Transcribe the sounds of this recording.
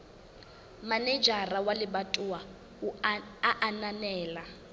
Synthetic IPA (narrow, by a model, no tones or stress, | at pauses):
manɛd͡ʒarawalɪbatʼuwa | aʔananɛːla